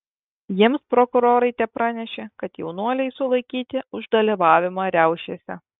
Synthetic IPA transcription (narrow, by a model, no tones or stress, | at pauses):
jiɛmspɾɔkʊɾoːɾɐɪt̪ʲɛpɾɑːnʲɛʃʲeːkɐt̪jɛʊnuɔlʲɛɪsʊlˠɐɪkʲiːt̪ʲɪʊʒd̪ɐlʲiʋɑːʋʲɪmɑːɾʲæʊʃʲesʲɛ